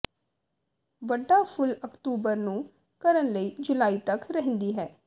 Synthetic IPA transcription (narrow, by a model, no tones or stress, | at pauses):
ʋəɖːaːpʰʊləkt̪uːbəɾnũː | kəɾənləiːd͡ʒʊlaːiːt̪əkɾəɦə̃nd̪iːɦɛː